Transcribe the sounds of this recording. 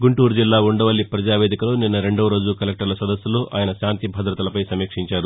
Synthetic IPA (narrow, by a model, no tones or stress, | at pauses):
ɡuɳʈuːɾud͡ʒilːaːuɳɖɐʋɐlːipɾɐd͡ʒaːʋeːd̪ikɐloːninːɐɾe̞ɳɖoːɾo̞ːd͡ʒukɐlek̚ʈɐɾlɐsɐd̪ɐsjuloːʔʔaːjɐnɐʃaːnt̪ibʱɐd̪ɾɐt̪ɐlɐpɐjsɐmiːkʂiɲt͡ʃaːɾu